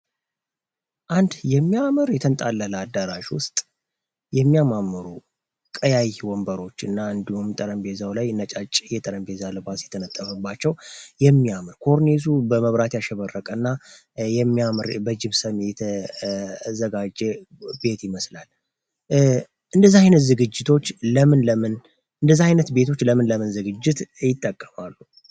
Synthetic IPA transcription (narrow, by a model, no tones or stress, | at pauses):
ʔand̪jɛmːiamɨɾjɛt̪ʰənt̪ʼalːəlad̪ːaɾaʃwʊ̰st̪ʼ | jɛmːijamamːɨɾu | kʼəjajwɔmbəɾo̞t͡ʃːɨnːaɨnd̪ihumt̪ʼəɾəmbe̞zawlajnət͡ʃʼat͡ʃʼːjɛt̪ʼəɾəmbe̞zalɨbasjɛt̪ʰənət̪ʼːəβəbːat͡ʃːɛwjɛmːijamɨɾkʰo̞ɾnesubəməβɾat̪jaʃɛβərːəkʼənːa | jɛmːijamɨɾbəd͡ʒɪmsəmjɛt̪ʰə | zəɡad͡ʒːɛ | be̞t̪jɪməslal | ʔɨnd̪əzːaajnət̪zɨɡɨd͡ʒːɪt̪ʰo̞t͡ʃːləmɨnləmɨn | ɨnd̪əzːaajnət̪be̞t̪ʰo̞t͡ʃːləmɨnləmɨnzɨɡɨd͡ʒːɪt̪jɪt̪ʼːəkʼːəmalːu